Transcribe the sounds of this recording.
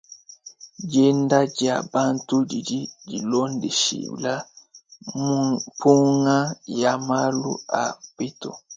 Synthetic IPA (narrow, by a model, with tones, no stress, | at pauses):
d͡ʒe˦nda˦d͡ʒi˨a̰˨ba˦ntu˦d͡ʒi˨d͡ʒi˦d͡ʒi˨lo˦ndi˨ʃḭ˨bla˦ | pu˦ŋa˦ja˨ma˦lṵ˦a̰˨bi˦tṵ˨